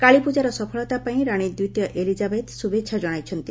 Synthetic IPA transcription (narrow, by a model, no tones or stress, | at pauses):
kaɭipud͡ʒaɾɔsɔpʰɔɭɔt̪apaĩɾaɽ̃id̪ut̪jɔʔelid͡ʒabet̪subetːʃʰad͡ʒɔɽ̃ajt͡ʃʰɔnt̪i